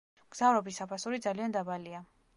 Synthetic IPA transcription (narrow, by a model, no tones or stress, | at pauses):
ɡ̥z̥avɾɔbisapʰasuɾid̪zaliand̪abalia